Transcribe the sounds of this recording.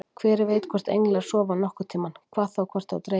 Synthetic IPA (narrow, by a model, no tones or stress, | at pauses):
kʰvɛːɾɪɾveːjt̪kʰvɔr̥t̪ḛjŋlɛḁsɔːvawnɔhkʏ̥t̪ʰiːmankʰvaːθawkʰvɔr̥t̪a̰wt̪ɾe